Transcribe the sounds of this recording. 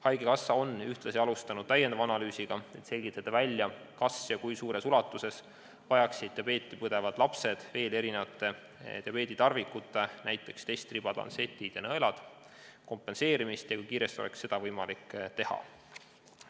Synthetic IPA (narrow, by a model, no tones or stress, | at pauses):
hɑjɡ̥ekɑsːɑonyht̪lɑsiɑlust̪ɑnud̪̥̚t̪æjːend̪ɑvɑɑnɑlyːsiɡ̥ɑe̞t̪se̞lʲɡ̥it̪ˑːɑd̪̥ɑvælʲjɑ | kɑsjɑkujsuːɾe̞sulɑt̪ːˑuse̞s | vɑjɑksid̪̚t̪ːjɑbe̞ːt̪ʲˑːipɤd̪̥e̞vɑd̪̥lɑpse̞d̪̥ve̞ːle̞ɾinevɑt̪ːˑe̞ | t̪eɑpe̞ːd̪̥it̪ɑrvikːˑut̪ːˑenæjt̪ːˑe̞kst̪e̞jst̪rib̥ɑt̪lɑ̰nse̞t̪ʲːˑid̪̥jɑnɤelɑd̪̥ | ko̞mpːˑe̞nse̞ːɾimist̪jɑkujkiːɾe̞st̪iolḛksːe̞d̪̥ɑvɤjmɑlikːt̪e̞hɑ̰